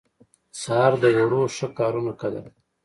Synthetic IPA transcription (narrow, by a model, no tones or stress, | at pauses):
sɑɾd̪əwoɽoʂəkɑːɾunakad̪a̰